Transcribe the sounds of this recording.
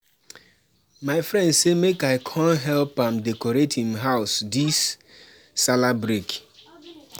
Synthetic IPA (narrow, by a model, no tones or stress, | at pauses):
maɪfɾɛ̃ndsemekaɪkʰãnɦɛlpãmdɛkɔɾetĩmɦaʊsdisː | alabɾek